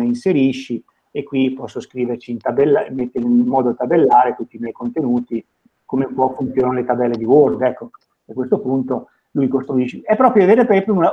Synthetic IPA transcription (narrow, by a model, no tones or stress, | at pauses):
einseɾiʃːi | ekːwipɔsːoskɾiːvert͡ʃiːnt̪abɛlːamet̪ːeɾeinmɔːd̪ot̪abelːaːɾet̪ut̪ːimjɛjkont̪enuːt̪i | komepwɔfunt̪sjoːnanalet̪abɛlːed̪iword̪ɛkːo | akwest̪opunt̪o | lujkost̪ɾuiʃːeɛpːɾɔːpɾjoaveːɾepɛpɾuna